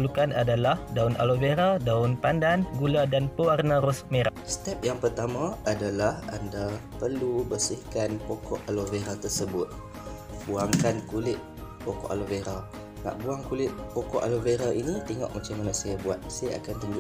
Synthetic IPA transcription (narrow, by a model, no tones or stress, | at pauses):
lukanadalahdaʊnʔa̰loveɾadaʊnpandanɡuladanpəwarnaɾɔsmeɾaʔst̪ɛp̚jaŋpərt̪amãadalaha̰ndapərlubəsihkanpokɔʔaloveɾat̪ərsəbʊt̪̚ | buaŋkankulɪʔ̪̚ | pokɔ̰ʔa̰loveɾa | ma̰ʔbuaŋkulɪʔ̪̚pokɔʔaloveɾaʔinit̪eŋɔ̰ʔmat͡ʃamanaʔsajabuat̪̚sajaa̰kant̪uɲd͡ʒu